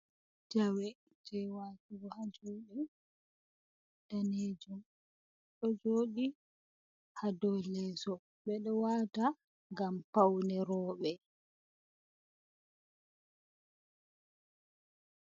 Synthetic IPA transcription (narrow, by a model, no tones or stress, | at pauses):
d͡ʒawɛ | d͡ʒɛwaːtuɡɔhad͡ʒoɗi | ɗaneːd͡ʒum | ɗɔd͡ʒoːɗi | hadɔlɛsɔ | ɓɛɗɔwaːta | ŋɡampawnɛɾɔːɓɛ